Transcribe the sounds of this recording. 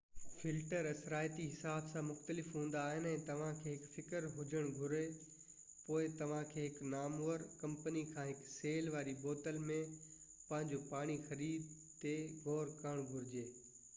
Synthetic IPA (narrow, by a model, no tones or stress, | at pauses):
fɪlʈəɾɐsɾaːjt̪iɦɪsaːbsãmʊxt̪əlɪfɦũːn̆d̪aːɦɪnɛ̃ːt̪ɐʋ̤ãkʰeːɦɪkfɪkəɾɦʊd͡ʑəɽ̃ɡʱʊɾe | poːɪt̪ɐʋ̤ãkʰeːɦɪknaːmuːəɾkɐ̃mpənikʰãːɦɪkseːlʋaːɾiboːt̪əlmẽ | pɐ̃ɦɪ̃ɲd͡ʑopaːɽ̃ixɐɾiːd̪ | t̪eɡoːɾkəɽ̃ɡʱʊɾɪd͡ʑeː